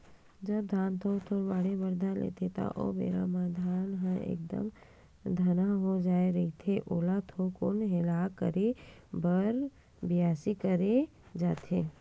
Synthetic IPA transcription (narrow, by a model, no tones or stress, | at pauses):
d͡ʒəb̚d̪ʱaːnt̪ʰot̪ʰoɾʋaːɽebəɾd̪ʱalḛːt̪ʰet̪a̰ʔo̰mḛːɾa̰mad̪ʱaːnɦə̃ʔḛːk̚d̪ə̰m | d̪ʱɐnaɦod͡ʒaːeɾəit̪ʰeʔoːlat̪ʰokʊnɦelakə̰ɾebəɾ | bɪjaːsikəɾe | d͡ʒaːt̪ʰeː